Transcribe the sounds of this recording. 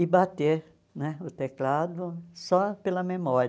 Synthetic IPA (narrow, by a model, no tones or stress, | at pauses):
ɪbat̪e | nɛʊt̪eklad̪ʊsɔpelɐmemɔɾ